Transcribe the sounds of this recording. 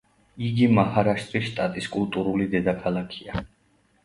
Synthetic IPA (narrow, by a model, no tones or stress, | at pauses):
iɡimahaɾaʃt̪ʼɾiʃt̪ʼat̪ʼiskʼulˠt̪ʼuɾulid̪ɛd̪akʰalˠakʰia